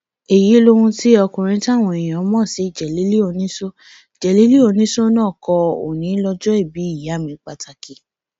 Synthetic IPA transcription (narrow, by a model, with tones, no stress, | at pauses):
e˨ji˨˦lo˦ɾũ˧ti˦ɔ˧kũ˨ɾ̃ĩ˧˦ti˦a˦˨w̃ɔ̃˧e˨j̃ã˨˦mɔ̃˦˨si˨˦˨d͡ʒɛ˨le˨˦li˦o˧nĩ˦so˦ | d͡ʒɛ˨le˨˦li˦o˧nĩ˦so˦nãː˦˨kɔ˧o̰˨nĩ˨˦lɔ˧d͡ʒɔ˦i˦˨bi˨˦i˦˨ja˨˦˨mĩ˨˧˦k͡pa˧tʰa˧ki˧